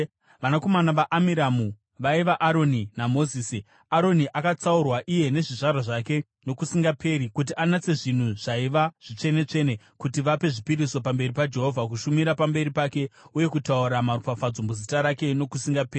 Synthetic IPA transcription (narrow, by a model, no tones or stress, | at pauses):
ʋanako̞manaʋaʔamiɾamu | ʋaiʋaʔaɾo̞ninamo̞ziːsi | aɾo̞niʔakat͡saurwaʔije̞ne̞ʐiʐarwaʐake̞ | no̞kusiŋɡapʰe̞ːɾikut̬iʔanat͡se̞ʐin̤uʐ̥aiʋaʐ̥it͡ʂe̞ne̞t͡ʂe̞ne̞ | kutiʋape̞ʐipiɾiso̞pambe̞ɾipad͡ʒe̞ɦo̞vʱak̬uʃumiɾapambe̞ɾipake̞uje̞kutauɾamarupafad͡zombuzitaɾake̞no̞kusiŋɡapeːri